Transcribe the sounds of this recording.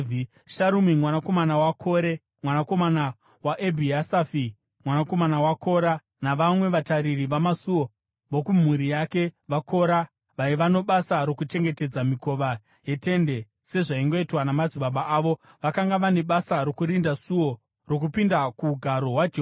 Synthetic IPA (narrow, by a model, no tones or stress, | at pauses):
ʃaɾumimwanako̞manawakʰo̞ɾe̞ | mwanako̞mana | waʔebʱiasafi | mwanako̞manawakʰo̞ɾa | naʋamwe̞ʋataɾiriʋamasuo̞ | ʋokum̤uɾijake̞ʋako̞ɾa | ʋaiʋano̞ɓasaɾo̞kut͡ʃe̞ŋɡe̞te̞d͡zamiko̞ʋa | je̞te̞nde̞ | se̞ʐaiŋɡo̞itwanamad͡ziɓaɓaʔaːʋo̞ | ʋakaŋɡaʋane̞ɓasaɾo̞kuɾindasuo̞ | ro̞k̬upindakuɡʱaɾo̞ɦwad͡ʒ